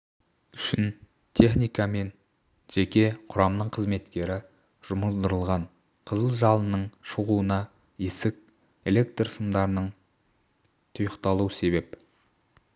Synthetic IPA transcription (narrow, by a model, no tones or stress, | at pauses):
ʏʃɪn | t̪ʰe̞χnijkɑme̞n | ʒ̥ekʲe̞qʰʊɾɑmnəɴqʰəzme̞t̪kʲe̞ɾɪ | ʒ̥ʊməzd̪əɾəlˠʁɑɴ | qʰəzəlˠʒɑlˠənəɴʃəʁuənɑ | esɪk̚ | e̞le̞k̚t̪rsəmd̪ɑɾənəɴ | t̪ʰʊjəqt̪ɑlˠuəse̞βe̞p